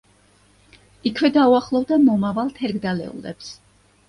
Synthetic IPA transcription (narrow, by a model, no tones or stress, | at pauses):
ikʰvɛd̪auaχlˠɔvd̪amɔmavalˠt̪ʰɛɾɡd̪alɛ̰ṵlɛ̰ps